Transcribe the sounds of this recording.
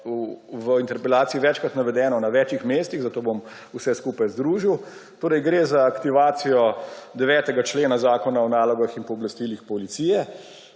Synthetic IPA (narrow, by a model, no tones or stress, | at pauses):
uʋəint̪ɛɾpɛlaːt̪siiʋɛt͡ʃkɾat̪naʋɛd̪ɛːnɔnaʋɛːt͡ʃixmeːst̪iɣzat̪oːbom | usɛskuːpajzd̪ɾuːʒiwt̪oːɾɛjɡɾezaːkt̪iʋaːt̪sijɔd̪ɛʋɛːt̪ɛɡat͡ʃleːnazaːkɔnaɔnaːlɔɡaxinpɔːblast̪iːlixpɔlit̪siːjɛ